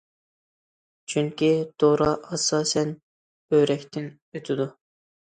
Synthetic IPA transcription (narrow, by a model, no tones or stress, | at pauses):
t͡ʃʰyŋkʲit̪ʰoɾɑʔɑsɑːsɛn | øɾɛkʲt̪ʰɪn | øt̪ʰɪd̪u